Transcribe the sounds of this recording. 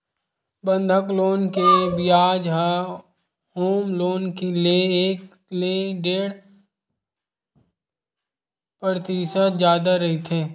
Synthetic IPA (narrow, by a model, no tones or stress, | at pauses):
bə̃nd̪ʱəkloːnkebɪjaːd͡ʒɦa | hoːmloːnkelieeːk | leɖeːɽ | pɾət̪iːʃət̪d͡ʒjaːd̪aɾɐɦit̪ʰeː